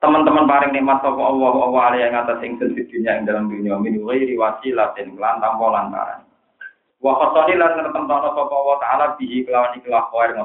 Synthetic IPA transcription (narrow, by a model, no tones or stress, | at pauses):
t̪əmənt̪əmənpaɾɪŋnimat̪sɔpɔwɔwɔɔwɔalijaɪŋat̪asiɪŋsənsid̪̥ṳnijaɪŋd̪alamd̪uniaaminuiɾiwat͡ʃilat̪ɪnkəlant̪aŋpolanpa̰ɾa̰ŋ | wɔhɔsɔnilanərt̪əmt̪ɔnɔsɔpɔwɔht̪aalab̥iɦikəlawanikilahkɔɛrŋɔ